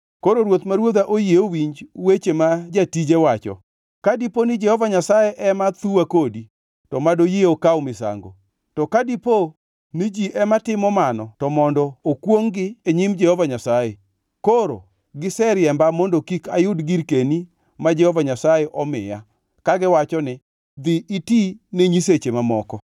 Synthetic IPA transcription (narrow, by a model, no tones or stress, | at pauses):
koɾoɾwot̪maɾwod̪aʔojeowiɲd͡ʒwet͡ʃemad͡ʒatid͡ʒewat͡ʃɔ̰ | kadiponɪd͡ʒɛhɔvaɲasajeʔɛmat̪uakodi | tɔmadojeokawmɪsa̰ŋɡo̰ | tɔkadipo | nɪd͡ʒiʔɛmatɪmɔmanɔtɔmɔndɔːkwoŋɡɪeɲimd͡ʒɛhɔvaɲasaje | koɾo̰ | ɡɪsɛɾjɛmbamɔndokikajʊdɡiɾkeni | mad͡ʒɛhɔvaɲasajeʔɔmɪja | kaɡɪwat͡ʃɔnɪ | d̪ɪitineɲiset͡ʃemamɔkɔ